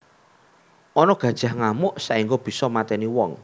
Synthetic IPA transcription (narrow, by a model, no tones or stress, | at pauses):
ɔnɔɡ̥ä̤d̥ʒ̥ahŋamʊʔsaʔiŋɡob̥i̤sɔmat̪ɛniwɔŋ